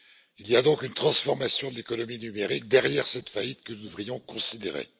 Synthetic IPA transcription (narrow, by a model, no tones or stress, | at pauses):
iliad̪ɔ̃kynt̪χɑ̃sfɔʁmasjɔ̃d̪əlekɔnɔminymeʁik̚d̪ɛʁjɛʁsɛt̪fait̪kənud̪əvʁijɔ̃kɔ̃sid̪eʁḛ